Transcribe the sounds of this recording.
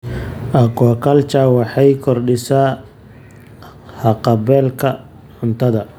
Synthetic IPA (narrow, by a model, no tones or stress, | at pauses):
ʔɐkɔːkʰɐlt͡ʃawɑħɑjkʰɔrɖɪsaː | hɑqɑβɛːlkʰɐ | ʕʊnt̪ʰɐðɐ